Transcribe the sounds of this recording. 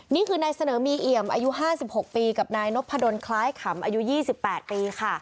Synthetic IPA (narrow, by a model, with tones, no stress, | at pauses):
niː˥˩kʰɯː˧naː˧jsa˧nɤː˩˦miː˧ʔi˨˩əmʔa̰˧ju˦˥ɦaː˥˩si˨˩p̚ho˨˩k̚piː˧ka˨˩p̚naː˧jno˦˥pʰa˧do˧nkʰlaː˦˥jkʰa˩˦mʔaː˧ju˦˥jiː˥˩si˨˩pːɛː˨˩t̪̚piː˧kʰa˥˩